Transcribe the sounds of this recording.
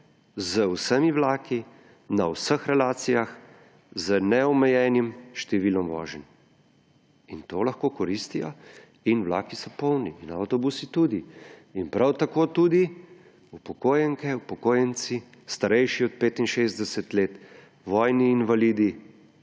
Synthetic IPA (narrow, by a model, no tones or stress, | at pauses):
zəwsəmiwlaːki | nawsəxɾɛlaːt̪sijax | zənɛɔmɛjɛːnimʃt̪ɛʋilɔmʋɔ̰ːʒɛn | int̪olaxkoːkɔɾist̪ijɔ | inwla̰ːkisɔpɔwniʔina̰wt̪ɔbusit̪ud̪iːnpɾawt̪akoːt̪ud̪i | upɔkoːjɛŋkɛupɔkoːjɛnsi | st̪aɾɛjʃiɔt̪̚peːt̪inʃezd̪ɛsɛt̪leːt̪ | ʋɔjniːnʋaliːd̪i